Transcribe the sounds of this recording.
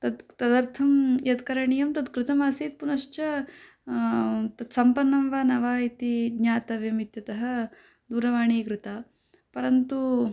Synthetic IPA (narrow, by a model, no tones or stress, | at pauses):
t̪ɐd̪t̪ɐd̪ɐɾt̪ʰɐmjɐt̪kɐɾɐɳijɐmt̪ɐt̪kɾɪt̪ɐmaːsiːt̪̚punɐʂt͡ʃɐ | t̪ɐd̪sɐmpɐnːɐmʋaːnɐʋaːit̪iɡɲaːt̪ɐʋjɐmit̪jɐt̪ɐɦɐ | d̪uːɾɐʋaːɳiːkɾut̪aː | pɐɾɐnt̪u